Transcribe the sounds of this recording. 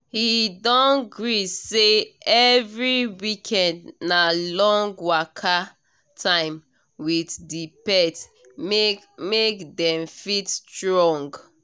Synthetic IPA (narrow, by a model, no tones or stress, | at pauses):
hidɔ̃nɡɹiseɛvɹiwikʰɛ̃ndnalɔ̃ŋɡwakʰa | tʰãɪ̃m | witdipɛt | mekdɛ̃mfitstɹɔ̃ŋɡ